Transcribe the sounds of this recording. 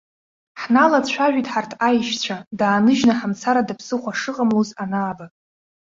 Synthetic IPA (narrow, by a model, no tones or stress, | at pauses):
ħnalat͡ɕʷʰaʒᶣitʼħartʰajʃt͡ɕʷʰadaːnɨʒnaħamt͡sʰaɾadapʰsɨχʷaʂɨqʼamlozanaːba